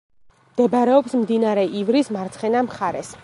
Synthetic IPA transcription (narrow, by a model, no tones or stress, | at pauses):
md̪̥ɛbaɾɛɔpsmd̪inaɾɛʔivɾismaɾt̪sʰχɛnamχaɾɛs